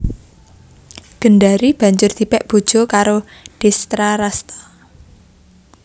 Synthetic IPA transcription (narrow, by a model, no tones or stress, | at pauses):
ɡ̥ə̤nɖaɾib̥ä̤ɲd͡ʒʊrd̪̥i̤pɛʔb̥o̤d̥ʒ̥o̤kaɾo | ɖ̥ɛst̪ɾaɾast̪ḁ